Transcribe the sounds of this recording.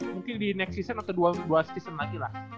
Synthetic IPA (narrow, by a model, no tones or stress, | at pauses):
muŋkɪndinɛk̚sisənat̪aduaduast̪isənlaɡilah